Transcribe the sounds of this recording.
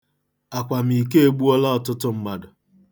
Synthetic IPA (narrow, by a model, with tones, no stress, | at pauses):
a˨kʷa˨m̩i˨ke˦e˦ɡ͡bu˦ɔ˦la˦ɔ˨tʊ˦tʊ˦m̩˦ma˦dʊ˨